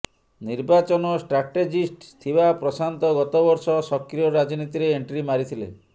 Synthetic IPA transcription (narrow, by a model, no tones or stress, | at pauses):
niɾbat͡ʃɔnɔsʈɾaʈed͡ʒisʈt̪ʰibapɾɔsant̪ɔɡɔt̪ɔbɔɾsɔsɔkɾijɔɾad͡ʒɔnit̪iɾeeɳʈɾimaɾit̪ʰilḛ